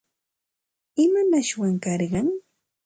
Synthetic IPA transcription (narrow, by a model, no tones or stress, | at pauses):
ɪmanaʃwaŋkɑɾɢɑŋ